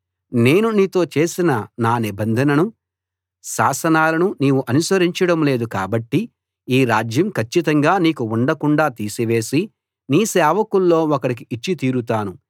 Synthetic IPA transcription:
ne̞ːnuniːt̪o̞ːt͡ʃe̞ːsinɐnaːnibɐnd̪ʱɐnɐnu | ʃaːsɐnaːlɐnuniːʋuʔɐnusɐɾiɲt͡ʃɐɽɐmle̞ːd̪uka̰ːbɐʈːi | iːɾaːd͡ʒjɐmkʰɐt͡ʃːit̪ɐŋɡaːniːkuuɳɖɐkuɳɖaːt̪iːsiʋe̞ːsi | niːsɛːʋɐkulːo̞ːɔkɐɽik̬iit͡ʃːit̪iːɾut̪aːnu

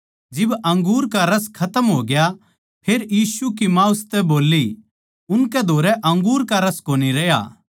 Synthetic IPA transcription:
d͡ʒɪbɐ̃ŋɡuːɾkaɾɐskʰɐt̪əmɦoːɡja | pʰeːɾjiːsukimãːʊst̪ɛboːlːi | ʊnkɛd̪ʱoːɾɛʔɐ̃ŋɡuːɾkaɾɐskoːniɾɛja̰

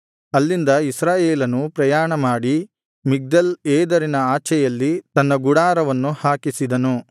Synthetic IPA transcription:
ɐlːind̪ɐisɾaːjeːlɐnupɾɐjaːɳɐmaːɽi | miɡ̚d̪ɐlɛːd̪ɐɾinɐaːt͡ʃɛjɐlːit̪ɐnːɐɡuɽaːɾɐʋɐnːuhaːkisid̪ɐnu

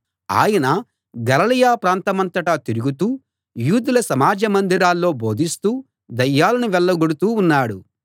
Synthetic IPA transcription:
a̰ːjɐnɐ | ɡɐlɐlɐjaːpɾaːnt̪ɐmɐnt̪ɐʈɐt̪iɾuɡut̪uː | juːd̪ulɐsɐmaːd͡ʒɐmɐnd̪iɾaːlːo̞ːbʱo̞ːd̪ist̪uː | d̪ɐjːaːlɐniʋɛlːɐɡuɽut̪uːnːaːɽu

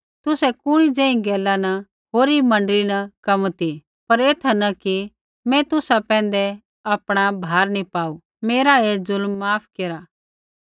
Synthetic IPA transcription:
t̪ʊsɛkʊɽ̃id͡zɛ̃ːĩɡɛːlːanɐ | ɦoːɾimɐ̃ɳɖlinɐkɐmt̪i | pɐɾeːt̪ʰɐnɐki | mɛ̃t̪ʊsapɛ̃ːn̆d̪ɛ | aːpɽ̃abʱaːɾnipaːu | meːɾaezʊlmːaːpʰkeːɾa

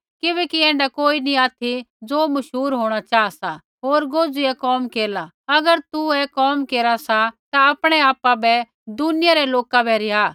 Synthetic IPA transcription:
kɪbɛːkiɛ̃ːɳɖakoːiniaːt̪ʰid͡zoːmɐʃɦuːɾɦoːɽ̃at͡ʃaːasa | ɦoːɾɡoːd͡zuɛkɔːmkeːla | ɐɡəɾt̪uɛkɔːmkeːɾasat̪aapɽ̃ɛaːpabɛ | d̪ʊnɪjaɾɛloːkabɛɾɪɦa

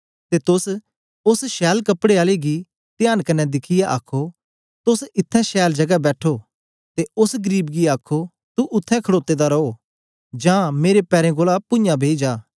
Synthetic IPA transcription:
t̪et̪ʊs | ʊsʃɛːlkɐpɽeaːleɡi | t̪ɪjaːnkɐnɛd̪ɪkʰɪjaʔaːkʰo | t̪ʊsɪt̪ʰːɛ̃ʃɛːld͡ʒɐɡabɛːʈʰo | t̪eʊsɡəɾiːbɡiaːkʰo | t̪uʔʊt̪ʰːɛ̃kʰɐɽoːt̪ːed̪aɾɐo | d͡ʒãːmeːɾepɛːɾẽɡoːlapʊ̃jãbʱeːd͡ʒaː

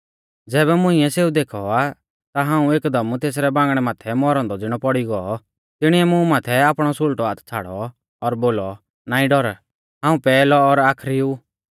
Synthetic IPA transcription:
d͡zɛːbɛmʊ̃ɪ̃ɛseːud̪eːkʰɔa | t̪aɦãːũeːkd̪ɐmut̪eːs̬ɾɛbãːŋɡɽ̃ɛmaːt̪ʰɛmɔɾãnd̪ɔd͡zɪɽ̃ɔpɔɽiɡɔɔ | t̪ɪɽ̃iɛmũmaːt̪ʰɛaːpɽ̃ɔsʊlʈɔaːt̪ʰt͡sʰaːɽɔ | ɔɾboːlɔ | naːĩɖɔɾ | ɦãːũpɛːlɔːɾaːkʰɾiu

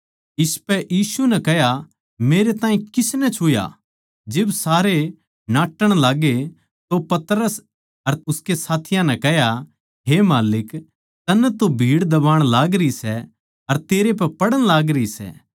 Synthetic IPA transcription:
ɪspɛʔjiːsunɛkɛɦja | meːɾet̪ãːĩkɪsnɛt͡ʃʰʊja̰ | d͡ʒɪbsaːɾe | naːʈːəɽ̃laːɡe | t̪opɐt̪ɾəs | ɐɾʊskesaːt̪ʰɪjãnɛ̃kɛɦja | ɦeːmaːlɪk | t̪ɐnːɛt̪obʱiːɽd̪ɐbaːɽ̃laːɡɾisɛ | ɐɾt̪eːɾep̬ɛpɐɽəɽ̃laːɡɾəisɛ̰ː

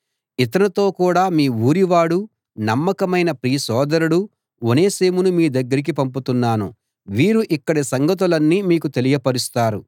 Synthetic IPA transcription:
it̪ɐnɐt̪o̞ːkuːɽaːmiːuːɾiʋaːɽu | nɐmːɐkɐmɐjnɐpɾiːsɔːd̪ɐɾuɽu | one̞ːseːmunumiːd̪ɐɡːɐɾik̬ipɐmput̪unːaːnṵ | ʋiːɾuʔikːɐɽisɐŋɡɐt̪̬ulɐnːiːmiːkut̪e̞lijɐpɐɾist̪aːɾṵ

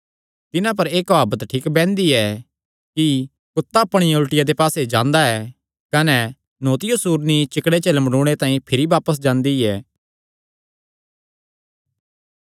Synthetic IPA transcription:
t̪ɪnãp̬ɐɾeːkbaːbət̪ʈʰiːkbɛ̃ːnd̪iɛ | ki | kʊt̪ːaɐpːɽ̃ijʊlʈɪjad̪epaːsed͡ʒãːnd̪aɛ | kɐnɛ | noːt̪ɪjosuːɾnit͡ʃɪkɽet͡ʃelɐmɽũːɽ̃et̪ãːĩpʰɪɾibaːpəs̬d͡ʒãːnd̪iɛː

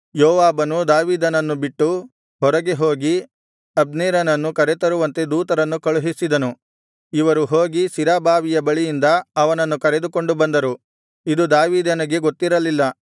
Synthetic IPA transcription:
joːʋaːbɐnud̪aːʋiːd̪ɐnɐnːubiʈːu | ɦɔɾɐɡeɦoːɡi | ɐb̚neːɾɐnɐnːukɐɾet̪ɐɾuʋɐnt̪e̞d̪uːt̪ɐɾɐnːukɐɭuɦisid̪ɐnu | iʋɐɾuɦo̞ːɡisiɾaːbaːʋijɐbɐɭijind̪ɐɐʋɐnɐnːukɐɾe̞d̪uko̞ɳɖubɐnd̪ɐɾu | id̪ud̪aːʋiːd̪ɐnɐɡe̞ɡo̞t̪ːiɾɐlilːɐ

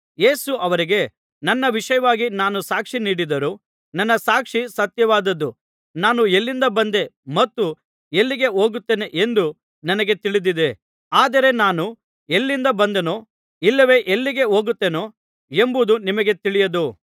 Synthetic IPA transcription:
je̞ːsuʔɐʋɐɾiɡe̞ | nɐnːɐʋiʂɐjɐʋaːɡinaːnusaːkʂiniːɽid̪ɐɾu | nɐnːɐsaːkʂisɐt̪jɐʋaːd̪ɐd̪ːu | naːnuelːind̪ɐbɐnd̪e̞mɐt̪ːu | elːiɡe̞ɦo̞ːɡut̪ːeneʔend̪u | nɐnɐɡe̞t̪iɭid̪id̪e̞ | aːd̪ɐɾe̞naːnu | elːind̪ɐbɐnd̪enoː | ilːɐʋe̞ːʔelːiɡe̞o̞ːɡut̪ːeːnoː | e̞mbud̪unimɐɡe̞t̪iɭijɐd̪u

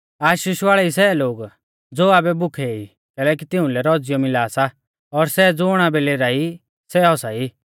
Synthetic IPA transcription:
aːʃiːʃʋaːɭɛisɛloːɡ | d͡zoːaːbɛbʊkʰɛi | kɛːlɛːk̬it̪ɪ̃ʊ̃lɛɾɔd͡zɪjɔmɪlaːsa | ɔɾsɛd͡zoɽ̃abɛleːɾaːi | sɛɔsaiː

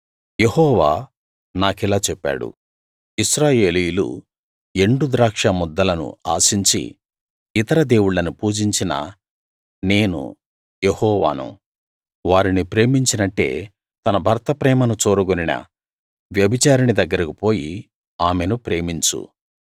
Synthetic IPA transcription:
jehɔːʋaː | naːkilaːt͡ʃɛpːa̰ːɽṵ | iʃɾaːje̞ːlijulṵ | e̞ɳɖud̪ɾaːkʂɐmɔd̪ːɐlɐnṵa̰ːsiɲt͡ʃḭ | it̪ɐɾɐd̪e̞ːwuɭɐnupuːd͡ʒiɲt͡ʃinɐ̰ | ne̞ːnṵ | jehɔːʋa̰ːnṵ | ʋaːɾinipɾe̞ːmiɲt͡ʃinɐʈːe̞̰ː | t̪ɐnɐbʱɐɾt̪ɐpɾɛːmɐnut͡ʃoːɾuɡoninɐ̰ | ʋjɐbʱit͡ʃaːɾɐnid̪ɐɡːɐɾɐkipo̞ːji | aːme̞nupɾe̞ːmiɲt͡ʃṵ

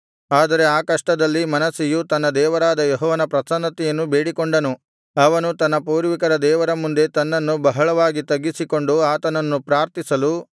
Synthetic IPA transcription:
aːd̪ɐɾe̞aːkɐʂʈɐd̪ɐlːimɐnɐsijut̪ɐnːɐd̪ɛːʋɐɾaːd̪ɐjeɦɔːʋɐnɐpɾɐsɐnɐt̪ijɐnːube̞ːɽikoɳɖɐnu | ɐʋɐnut̪ɐnːɐpuːɾʋikɐɾɐd̪ɛːʋɐɾɐmund̪e̞t̪ɐnːɐnːubɐɦɐɭɐʋaːɡit̪ɐɡːisiko̞ɳɖuaːt̪ɐnɐnːupɾaːɾt̪isɐlu

